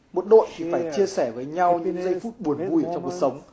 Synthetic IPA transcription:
mo˨˩t̚ɗo̰˧˨jt̪ʰi˨˩faː˧˩jt͡ɕi˧əsɛ˧˩vəː˨˦jɲa˧wɲɨ̰˧˥ŋzə˧jfu˦˥t̚ɓu˨˩ən˨vu˧jə˧˩t͡ɕɔ˧ŋ͡mku˨˩ət̚sə˨˦wŋ͡m

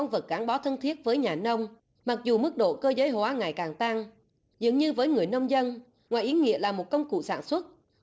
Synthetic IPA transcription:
wŋ͡mvə˨˩t̚ɣaː˨˦ŋɓɔ˨˦t̪ʰə˧nt̪ʰi˦˥ət̚vəː˨˦jɲaː˨˩nə˧wŋ͡m | ma˨˩k̚zu˨˩mɨ˦˥k̚ɗo̰˧˨kəː˧zəː˨˦jhwaː˨˦ŋaː˨˩jkaː˨˩ŋt̪a˧ŋ | zɨ̰˨˧˨ŋɲɨ˧vəː˨˦jŋɨ˨˩əjnə˧wŋ͡mzə˧n | ŋaː˨˩jʔi˨˦ŋḭ˧˨əlaː˨˩mo˨˩t̚kə˧wŋ͡mkṵ˧˨saː˧˩nswə˦˥t̚

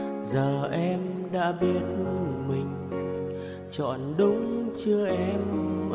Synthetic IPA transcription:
zəː˨˩ʔɛ˧m | ɗa̰ː˧˥ɓi˦˥ət̚mï˨˩ŋ̟ | t͡ɕɔ̰˧˨nɗʊ˨˧˦ŋ͡mt͡ɕɨ˧əʔɛ˧m

